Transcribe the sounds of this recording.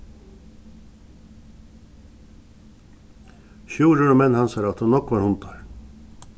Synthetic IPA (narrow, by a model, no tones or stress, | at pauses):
çuːɾəɾɔmɛnhɑnsɑɾɑt̪hʊnɔkʋɑːɾhʊnt̪ɑɾ